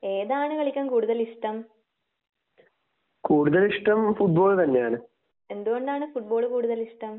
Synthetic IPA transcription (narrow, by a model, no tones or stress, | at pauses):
eːðaːɳɨkɐɭikʲːɐmkuːɽuðɐliʂʈɐm | kuːɽuðɐliʂʈɐmfuʈ̚bo̞ːɭt̪ɐnːejaːɳɨ | e̞nd̪uɣoɳɖaːɳɨfuʈ̚bo̞ːɭkuːɽuðɐliʂʈɐm